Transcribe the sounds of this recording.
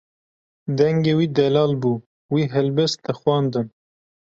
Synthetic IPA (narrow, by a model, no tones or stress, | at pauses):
d̪ɛŋɡeːwiːd̪ɛlɑːlbuː | wiːɦɛlbɛst̪ɨxwɑːnd̪ɨn